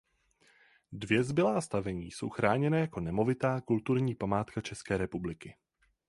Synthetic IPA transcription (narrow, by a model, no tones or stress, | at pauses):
dvjɛzbɪlaːst̪avɛɲiːso̞̰wxɾʔaːɲɛnɛːjako̞nɛmo̞vɪt̪aːkult̪uɾɲiːpamaːt̪kat͡ʃɛskɛːɾɛpublɪkɪ